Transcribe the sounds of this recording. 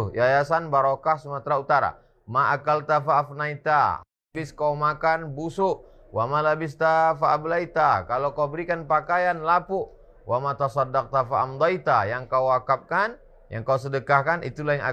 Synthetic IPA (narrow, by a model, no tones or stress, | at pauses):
jajasanbaɾokahsumət̪ɾaut̪aɾa̰ | maʔakalt̪afaafnait̪a̰ | bɪskaumakanbusʊʔ | wamalabɪst̪afaʔablait̪akalokaubəɾikanpakajanlapuʔ | wamat̪asɑdːaq̚t̪afaamd̪ajt̪ajaŋkauakap̚kan | ja̰ŋkaus̬ədəkahkanʔḭt̪ulaiŋa̰